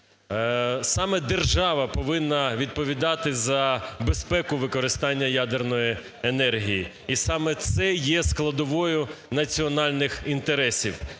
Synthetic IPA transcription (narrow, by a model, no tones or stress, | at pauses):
sɑmɛd̪erʒɑʋɐpɔʋɪnːɐʋʲid̪̚pɔʋʲid̪ɑt̪ɪzɐbespɛkʊʋɪkɔɾɪst̪ɑnʲːɐjad̪ernɔji | enɛrɦʲiji | isɑmɛt̪sɛjɛsklˠɐd̪ɔʋɔjʊnɐt͡sʲiɔnɑlʲnɪxint̪eɾɛsʲḭw